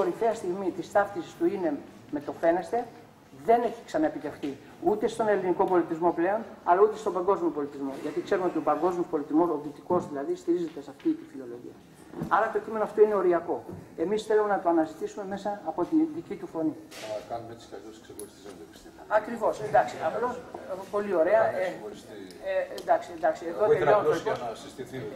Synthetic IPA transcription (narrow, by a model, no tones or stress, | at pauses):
o̞ɾiθe̞ɐst̪iɣmit̪ist̪ɐft̪isi̥st̪uine̞ | me̞t̪o̞fe̞ne̞st̪e̞ | ðe̞ne̞çi̥ksɐnɐepit̪e̞xθi | ut̪e̞st̪o̞ne̞liniko̞po̞lit̪izmo̞ple̞o̞nɐ̰laut̪e̞st̪obɐŋɡo̞zmio̞po̞lit̪izmo̞ʝɐt̪ikse̞ɾumeo̞t̪io̞pɐŋɡo̞zmiospo̞lit̪izmo̞soðit̪iko̞zðilɐðist̪iɾize̞t̪e̞sɐft̪it̪ifilo̞lo̞ʝḭɐ | ɐɾɐt̪ocʲime̞noɐft̪o̞ine̞o̞ɾiɐko̞e̞misθe̞lume̞nɐt̪oɐnɐzit̪isume̞me̞sɐːpo̞t̪inðicit̪ufo̞nikɐnumet̪i̥skɐkesksexoɾist̪isɐopi̥st̪iɐkɾivo̞send̪ɐksiɐft̪opo̞lio̞ɾe̞ɐeɾiend̪ɐksiend̪ɐksieðot̪eʎonoosi